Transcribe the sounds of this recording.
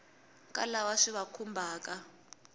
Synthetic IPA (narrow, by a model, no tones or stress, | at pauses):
kʼalawaʂiβakʰumbʱaːkʼa